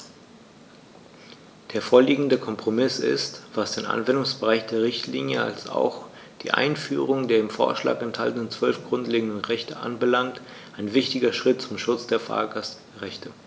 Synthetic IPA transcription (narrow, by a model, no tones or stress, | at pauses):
d̥eːɐfoːɐliːɡŋ̩dəkʰɔmpʁ̥omɪsɪ̰stv̥asd̥eːnʔa̰nvɛndʊŋsb̥əʁaɪçd̥eːɐʁɪçtʰlḭːnjəa̰lsa̰ʊx | d̥ḭːʔa̰ɪnfyːʁ̞ʊŋdeːɐɪmfo̰ːɐʃla̰ːkɛnthaltən̩ənt͡sv̥œlfɡ̥ʁʊntleːɡŋ̩dən̩ʁɛçtəʔa̰nbəlaŋkt | ʔaɪnvɪçtɪɡɐʃʁ̥ɪtt͡sʊmʃʊt͡sd̥eːɐfa̰ːɐɡas | ʁɛçtʰə